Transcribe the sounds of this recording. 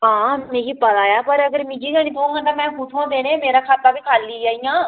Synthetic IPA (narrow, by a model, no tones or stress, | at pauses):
ɦãːmẽːɡiːpət̪aːjaːpəɾəɡəɾmɪ̃d͡ʒiːkɛːñiːt̪ʰoõːŋɡãːt̪ãːmɛ̃ːpʊʈʰõːd̪eːɽẽːmeːɾaːkʰaːt̪aːbiːkʰaːlːiːaːiːjãː